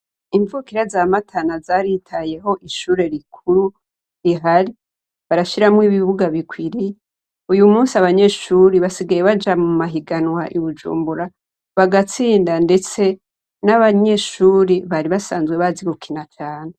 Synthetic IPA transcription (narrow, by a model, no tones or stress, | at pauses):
iɱvukiɾazaːmatʰanazaɾitʰaje̞ɦo̞ʔiʃuːɾe̞ɾikʰuɾu | ɾiɦaɾi | βaɾaʃiɾamwiːβiβuɡaβikwiɾije | ujumuːnsiaβaɲe̞ʃuːɾiβasiɡajeβad͡ʒamumaɦiɡanwaʔiβud͡ʒṵːmbuɾa | βaɡat͡siːndande̞t͡se̞ | naβaɲe̞ʃuːɾiβaɾiβasaːnzɡwe̞βaziɡukʰinat͡ʃaːne